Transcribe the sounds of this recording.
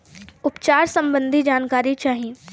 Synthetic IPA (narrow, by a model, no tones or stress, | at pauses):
ʊpt͡ʃaːɾsɐ̃mbə̃nd̪ʱid͡ʒaːnkaːɾit͡ʃaːɦiẽ